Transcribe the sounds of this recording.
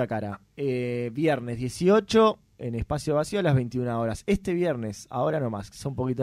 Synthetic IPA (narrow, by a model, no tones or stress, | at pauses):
akaɾa̰ | eβjɛɾnezðje̞sio̞t͡ʃo̞ | ḛnespasjoasioalazβe̞jnt̪iunao̞ɾasest̪e̞βjeɾnesa̰o̞ɾanoma̰ssoũmpo̞kit̪̬o